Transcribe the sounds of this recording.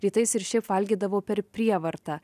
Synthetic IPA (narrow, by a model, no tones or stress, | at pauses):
ɾʲiːt̪ɐɪsɪɾʃʲɛɪpʋɐlʲɡʲiːd̪ɐʋoːpʲɛɾpʲɾʲiɛʋɐɾt̪ɑː